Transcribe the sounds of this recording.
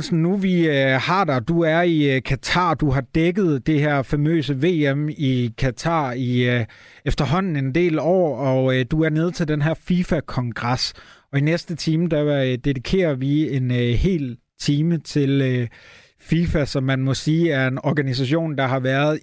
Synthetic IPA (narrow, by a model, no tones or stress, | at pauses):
sn̩nuʋiøhɑ̈d̥ɑd̥uæɐikʰæt͡sʰɑ̰̈ːd̥uɦɑ̈d̥eɡ̥ð̞̩ˠd̥e̝hæɐ̰fæmø̰ːsəʋe̝̰ːemikʰæt͡sʰɑ̰̈ːi | efd̥ɐɦɒ̽n̰n̩e̝nd̥e̝̰ːlɒ̰ːɒ̽d̥uæɐne̝ð̞ˠt͡sʰe̝ld̥enɦæɐ̰fifækʰɒ̽ŋɡ̥ʁɑ̈sɒ̽inesd̥ət͡sʰiːməd̥æd̥e̝ðˠikʰe̝̰ːɐʋie̝nhe̝̰ːl | t͡sʰiːmət͡sʰe̝lø | fiːfæsɒ̽mːænmɒ̽siːæɐe̝nɒːɡ̥ænis̬æɕo̝̰ːnd̥ɑ̈ɦɑ̈ʋæːɐð̩ˠ